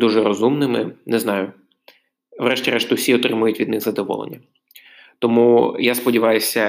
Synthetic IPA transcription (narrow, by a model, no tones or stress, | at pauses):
d̪uʒɛɾɔzumnɪmɪ̰nɛznɑjʊ | ʋɾɛʃtʲiɾɛʃt̪ʊwsʲiɔt̪ɾɪmʊjʊtʲʋʲid̪nɪxzɐd̪ɔʋɔ̰lˠḛnʲːɐ | t̪ɔmujaspɔdʲiʋɑjʊsʲɐ